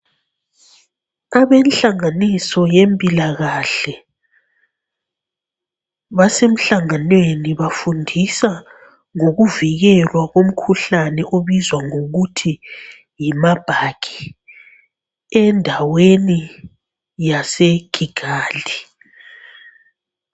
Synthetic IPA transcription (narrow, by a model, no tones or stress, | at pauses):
aβɛnɬaŋanisɔjempʼilaɣaɬɛ | βasem̩ɬaŋanweniβafundʱisa | ŋoɣuviɣɛlwaɣom̩kʰuɬanɛʔoβizwaŋoɣutʰi | jimab̥ʱaɡ̥ʰʱi | ɛndʱaweni | jaseɡ̥ʱiɡ̥ʱaːlʱi